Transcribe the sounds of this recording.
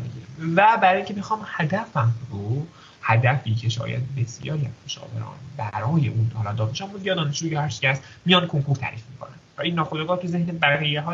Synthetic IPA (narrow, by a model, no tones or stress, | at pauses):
biɟiɾimvæbæɾːiːŋcʰeexɒːmhæd̪æfæmɾo | hæd̪æfiːcʰeʃɒ̰ːjæ̰d̪besjɒ̰ːɾiæ̰zmoʃɒ̰ːve̞̰ɾɒ̰ːnbæɾɒːje̞̰ʔuːnɒːlɒd̪ɒːeʃmːɒzjɒːd̪ɒːneʃt͡ʃujɒːhæɾt͡ʃʰi̥cʰæs | mijɒnkʰomkʰuɾt̪ʰæ̰ːɾiːfmikʰo̞̰nænvæʔiːnːɒːxod̪ɒːɡɒːht̪ʰeze̞hnebæɣijeɦɒː